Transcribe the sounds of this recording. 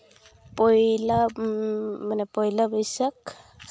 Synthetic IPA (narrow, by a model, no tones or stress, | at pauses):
pɔjla | manɛpɔjlabɔjsak